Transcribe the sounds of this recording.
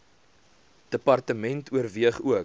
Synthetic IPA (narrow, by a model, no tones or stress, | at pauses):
d̥əpɐrtəmɛntuərviəχuək